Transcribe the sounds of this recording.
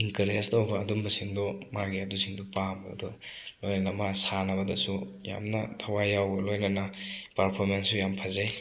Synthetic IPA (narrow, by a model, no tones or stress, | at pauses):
iŋkɐɾestowbɐːdumbɐsiŋdɔmaɡiɐdusiŋdɔpam̰ːdɔlojnɐnɐmasanɐbɐdɐsuja̰mnɐtʰɐwajawbɐlojnɐnɐpɐɾpʰoɾmensːujampʰazaj